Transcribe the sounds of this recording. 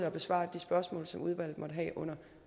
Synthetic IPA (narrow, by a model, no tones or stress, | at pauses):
ɒ̽b̥e̝sʋɑ̰̈ːd̥isb̥ɶɐsmɔ̰̽ːlsɒ̽muð̞ˠʋæl̰ð̩ˠmɒ̽d̥əɦɛ̰ːʔɔ̽n̰ɐ